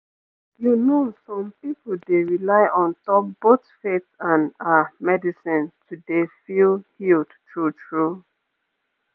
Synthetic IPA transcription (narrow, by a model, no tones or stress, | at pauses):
junosɔ̃mpipl̩deɹilaɪʔɔ̃ntɔp̚b̥otfetãnamɛdisĩntʰudefilhildtɹutɹu